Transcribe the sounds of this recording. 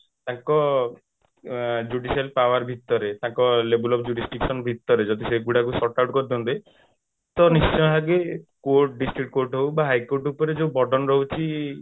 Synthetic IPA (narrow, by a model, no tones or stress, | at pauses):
t̪ãŋkɔ | d͡ʒuɖisalpawaɾbʱit̪ːɔɾet̪ãŋkɔlebulɔpʰd͡ʒuɾisʈiksɔnbʱit̪ːɔɾed͡ʒɔd̪iseɡuɽakusɔʈawʈkɔɾid̪ʰɔnt̪e | t̪ɔnist͡ʃɔ̃jɦaɡekoɾʈɖisʈɾikʈ̚koɾʈɦowbaɦajkoɾʈupɔɾed͡ʒẽbɔɖɔnɾɔɦut͡ʃʰi